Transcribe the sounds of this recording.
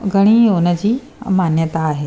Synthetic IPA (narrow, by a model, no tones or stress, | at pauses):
ɡʱəɽ̃iːonəd͡ʑiː | manjət̪aːɦe